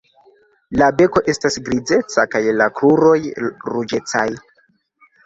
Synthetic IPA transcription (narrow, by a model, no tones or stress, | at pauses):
labe̞ko̞ʔe̞stasɡɾid͡ze̞t͡sakajlakluɾo̞jɾud͡ʒe̞t͡saj